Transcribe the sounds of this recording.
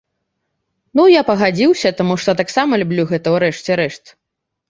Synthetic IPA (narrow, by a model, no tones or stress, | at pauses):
nujapɐɣad͡zʲiwsʲɐt̪amuʂt̪ɔt̪aksamɐlʲubʲlʲuɣɛt̪ɐuɾɛʂt͡sʲɛɾɛʂt̪